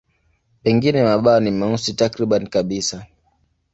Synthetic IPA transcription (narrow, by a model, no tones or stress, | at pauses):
pɛŋɡinɛmaɓaɔnimausitakɾiɓanikaɓisa